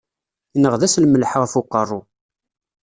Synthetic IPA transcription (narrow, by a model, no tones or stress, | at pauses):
inəʁðæslməlħʁfuqːərˤːʊ